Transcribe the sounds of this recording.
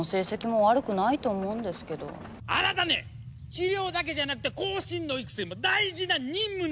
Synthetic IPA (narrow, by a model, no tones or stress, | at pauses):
ose̞ːsekʲimo̞βaɾɯ̟kɯ̟nait̪o̞ːmõ̞ɯ̃nd̪e̞sɨ̥ke̞d̪o̞̰ | a̰ɾat̪anḛ | t͡ɕiɾʲo̞ːd̪ak̬e̞ʑanakɯ̟t̪e̞ko̞ːɕĩnːo̞ikɯ̟̥sɨɾimo̞d̪aiʑinaɲ̟ʲĩmːɯ̟